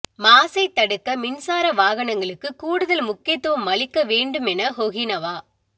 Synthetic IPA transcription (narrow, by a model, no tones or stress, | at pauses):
maːsɐɪt̪ːɐɽɯkːɐmɪnsaːɾɐʋaːɣɐɳɐŋɡɐɭɯkːɯkuːɽɯðɐlmʊkːɪjɐt̪ːɯʋɐmːɐɭɪkːɐʋeːɳɖɯmɛnɐhɔɣɪnɐʋaː